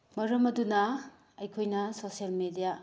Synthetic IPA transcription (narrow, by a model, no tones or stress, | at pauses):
mɐɾɐmɐdunɐ | ɐjkʰojnɐsosijɐlmedija